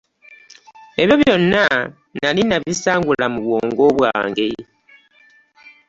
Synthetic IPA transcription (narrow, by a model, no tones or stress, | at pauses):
eβjo̞βjo̞nːa | nalinaβisaːŋɡulamuβwoːŋɡo̞βwa̰ːŋɡe